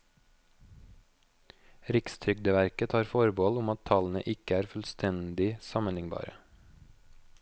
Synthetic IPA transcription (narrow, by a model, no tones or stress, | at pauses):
ɾɪkst̪ʰɾʏɡ̚d̪əʋæɾkət̪ʰɑːɾfɔɾbɔːlʊmɑt̪tʰɑln̩ə̰ʔɪkəæːɾfʉlst̪ʰɛnd̪ɪsɑmənɪŋbɑ̰ːɾə̰